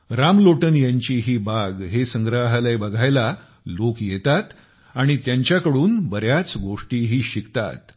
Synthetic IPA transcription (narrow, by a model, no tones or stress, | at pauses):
ɾamloʈənjaɲt͡ɕiɦiːbaɡɦesəŋɡɾaɦaləjbəɡʱajla | lokjet̪at̪ | aɽ̃it̪jaɲt͡ɕjakəɽuːnbəɾjat͡sɡoʂʈiːɦiːɕikt̪a̰t̪̚